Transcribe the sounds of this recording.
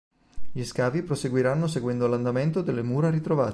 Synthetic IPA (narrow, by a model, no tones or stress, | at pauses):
ʎiskaːvipɾoseɡwiɾanːoseɡwɛnd̪oland̪ament̪od̪elːemuːɾaɾit̪ɾovaːt̪